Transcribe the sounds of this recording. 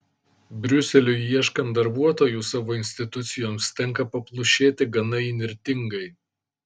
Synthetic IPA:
bʲɾʲʊsʲɛlʲʊiɛʃkɐnt̪̚d̪ɐɾbuɔt̪oːjuːsɑːʋoːɪnʲsʲt̪ʲɪt̪ʊt̪sʲɪjoːmst̪ʲɛŋˑkɐpɐplˠʊʃʲeːt̪ʲɪɡɐnɐɪnʲɪɾʲt̪ʲɪŋɡɐɪ

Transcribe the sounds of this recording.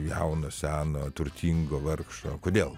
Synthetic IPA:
jɛʊnoːsʲæːnoːt̪ʊrʲt̪ʲiŋɡoːʋɐrkʃoːkoːd̪ʲeːlˠ

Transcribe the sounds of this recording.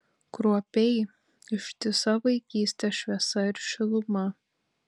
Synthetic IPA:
kɾuɔpʲɛɪ | ɪʃʲt̪ʲɪsɐʋɐɪkʲiːsʲt̪ʲɛʃʲʋʲiɛsɐɪɾʃʲɪlˠʊmɐ

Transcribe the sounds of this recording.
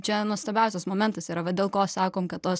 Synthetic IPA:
t͡ʃʲɛnuɔst̪ɐbʲɛʊsʲɛsmoːmʲɛnt̪ɐsiːɾɐʋɐd̪ʲeːlˠkoːsɑːkoːmkɐt̪t̪oːs

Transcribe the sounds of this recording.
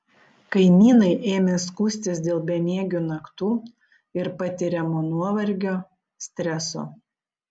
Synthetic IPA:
kɐɪnʲiːnɐɪʔeːmʲeskuːsʲt̪ʲɪs̬d̪ʲeːlˠbʲɛnʲiɛɡʲuːnɐkt̪uː | ɪɾpɐt̪ʲɪɾʲɛmoːnuɔʋɐɾʲɡʲoː | sʲt̪ʲɾʲɛso̰ː

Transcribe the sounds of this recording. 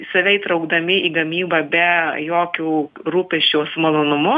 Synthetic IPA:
sɐʋʲɛɪt̪ɾɐʊɡd̪ɐmʲɪʔiːɡɐmʲiːbɐːbʲɛjoːkʲuːɾuːpʲɛʃʲt͡ʃʲoːsmɐlˠoːnʊmʊ

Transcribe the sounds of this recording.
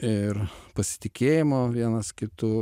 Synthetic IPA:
ɪrpɐsʲɪ̥t̪ʲɪkʲeːjɪmoːʋʲiɛnɐskʲɪt̪uː

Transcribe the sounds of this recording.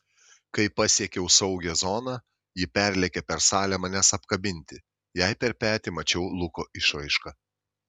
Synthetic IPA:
kɐɪpɐsʲiɛkʲɛʊsɒʊɡʲɛzɔːnɑ | jɪpʲæɾʲlʲɛkʲɛpʲɛɾsɑːlʲɛmɐnʲɛsɐpkɐbʲɪnʲˑt̪ʲɪ | jɛɪpʲɛɾpʲæːt̪ʲɪˑmɐt͡ʃʲɛʊlˠʊkoːʔɪʃʋɐɪʃkɐ

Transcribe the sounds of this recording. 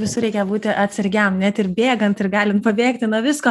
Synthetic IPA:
ʋʲɪsʊɾʲɛɪkʲɛjbuːt̪ʲɪʔɐt̪ʲsʲɐɾʲɡʲɛmnʲɛt̪ɪrbʲeːɡɐnt̪ɪrɡɑːlʲɪnt̪̚pɐbʲeːkt̪ʲɪnuɔʋʲɪskoː

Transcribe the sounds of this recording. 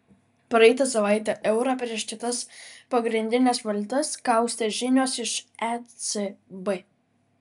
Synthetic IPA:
pɾɐɛɪt̪ɐsɐʋɑˑɪt̪ʲɛʔɛʊɾɑpʲɾʲiɛʃkʲɪt̪ɐspɐɡɾʲɪnʲd̪ʲɪnʲɛsʋɐlʲt̪ɐskɑˑʊsʲt̪ʲɛʒʲɪnʲoːsɪʃɛsebɛ

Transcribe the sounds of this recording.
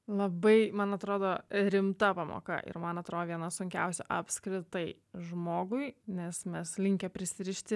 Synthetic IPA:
lˠɐbɐɪmɐnɐt̪ɾoːd̪oːɾʲɪmt̪ɐpɐmo̰ːkɐ̰ʔɪ̰ɾmɐnɐt̪ɾoːd̪oːʋʲiɛnɐsʊŋʲkʲɛ̰ʊsʲɛʔɐpskɾʲɪt̪ɐɪ | ʒmoːɡʊɪnʲɛsmʲɛslʲɪŋʲkʲɛpʲɾʲɪsʲɪɾʲɪʃʲt̪ʲɪ

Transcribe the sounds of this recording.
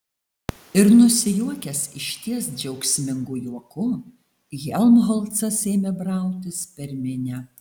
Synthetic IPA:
ɪɾnʊsʲɪjuɔkʲɛsɪʃʲt̪ʲiɛsd͡ʒʲɛʊksʲmʲɪŋɡʊjuɔkʊ | ɣʲɛlˠmɦɔlˠt̪sɐseːmʲɛbɾɑˑʊt̪ʲɪspʲɛɾʲmʲɪnʲɛ

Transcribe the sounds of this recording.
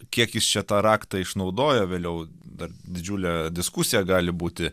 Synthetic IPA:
kʲiɛkjɪst͡ʃʲɛt̪ɑːɾɑːkt̪ɑɪʃnɒʊd̪oːjoːʋʲeːlʲjɛʊd̪ɐrd̪ʲɪd͡ʒʲuːlʲɛd̪ʲɪskusʲɪjɛɡɑːlʲɪbuːt̪ʲɪ

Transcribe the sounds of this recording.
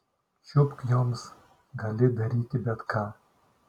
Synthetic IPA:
ʃʊpkjoːms | ɡɐlʲɪd̪ɐɾiːt̪ʲibʲɛt̪kʰaː

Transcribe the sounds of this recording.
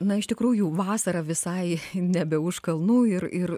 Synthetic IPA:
nɐɪʃt̪ʲɪkɾuːjuʋɑːsɐɾɐʋʲɪsɐɪnʲɛbʲɛʊʃkɐlˠnuːɪrɪr

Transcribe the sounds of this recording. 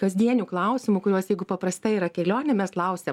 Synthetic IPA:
kɐzʲd̪ʲiɛnʲuːklˠɐʊsʲɪmʊkʊɾʲuɔsjɛɪɡʊpɐpɾɐst̪ɐɪiɾɐkʲɛlʲoːnʲɛmʲɛslˠɐʊsʲeːm

